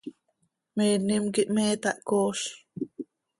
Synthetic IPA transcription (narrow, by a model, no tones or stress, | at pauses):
meːnimkiʔmeːt̪aʔkoːɬ